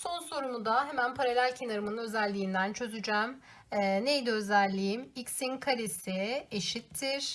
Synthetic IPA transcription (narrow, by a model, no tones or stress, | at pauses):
so̞nso̞ɾumud̪aɦe̞mænpʰaɾalʲælʲcʰe̞naɾɯmɯnɯnø̞zælʲːiːnd̪ænt͡ʃʰø̞zyd͡ʒɛmː | nejd̪ɛøzælʲːijimicsinkʰaɾesieʃit̪ʰːiɾ̥